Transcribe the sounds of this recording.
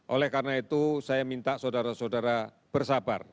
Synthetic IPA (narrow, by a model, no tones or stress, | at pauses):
ʔolɛhkarnait̪usajamint̪aʔsodaɾasodaɾa | b̥ərsaba̰r